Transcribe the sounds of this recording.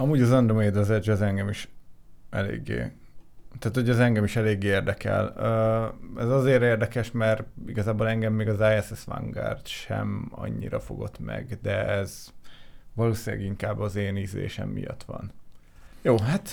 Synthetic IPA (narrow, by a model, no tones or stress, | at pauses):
ɒmuːɟɒzɒnd̪romeːd̪ɒzɛd͡ʒɛzɛŋɡɛmiʃʔɛlḛːɡːḛː | t̪aːt̪hoɟɛzɛŋɡɛmiʃɛleːɡːeːeːrd̪ɛkɛ̰løɛzɒzeːɾeːrd̪ɛkɛʃmɛriɡɒzaːbolɛŋɡɛmːeːɡɒzaːjɛsɛsʋa̰ŋɡa̰rt̪ʃɛ̰mɒ̰ɲːḭɾɒfo̞̰ɡo̞̰t̪mɛ̰ɡd̪ɛɛz | vɒloːsila̰ːɡiŋkaːbːɒzeːniːzḛːʃɛ̰mːḭjɒ̰t̪ʋɒ̰n | joːɦat̪